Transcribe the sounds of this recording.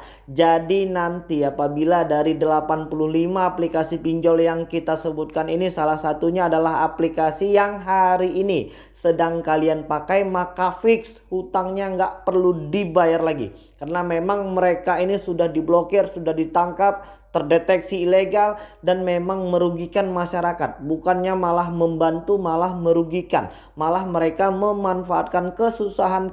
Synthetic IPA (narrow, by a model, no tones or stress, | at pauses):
d͡ʒadinant̪iapabiladaɾidəlapanpuluhlimaːplikasipiɲd͡ʒɔljaŋkit̪asəbut̪̚kaninisalahsat̪uɲaːdalaɦaplikasijaŋɦaɾiʔːni | sədaŋkalianpakajmakafɪkshut̪aŋɲaŋɡaʔpərludibajarlaɡḭ | kərənamemaŋməɾekainisudahdiblokirsudahdit̪aŋkap̚ | t̪ərdet̪ɛksiːleɡaldanmemaŋməɾuɡikanmaʃaɾakat̪̚bukanɲamalahməmbant̪umalahməɾuɡika̰n | malahməɾekaməmanfaat̪̚kankəsusaɦan